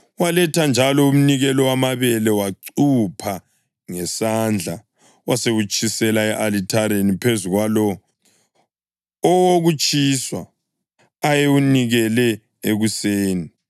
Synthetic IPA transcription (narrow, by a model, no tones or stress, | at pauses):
walɛtʰand͡ʒʱalɔum̩niɣɛlɔwamaβɛlɛwaǀupʰa | ŋɛsand͡ɮʱa̰ | waseɣut͡ʃʼʰisɛlaɛʔalitʰaɾenipʰezuɣwalɔ | ɔwoɣut͡ʃʼiswaː | jeuniɣɛlɛ | eɣuseːni